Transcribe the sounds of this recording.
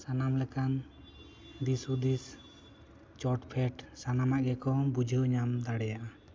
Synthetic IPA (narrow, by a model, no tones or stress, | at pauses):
sanamlɛkan | d̪isud̪is | t͡ʃɔʈpʰɛʈsanamaʔɡɛkɔbud͡ʒʱəɲamd̪aɽɛjaʔa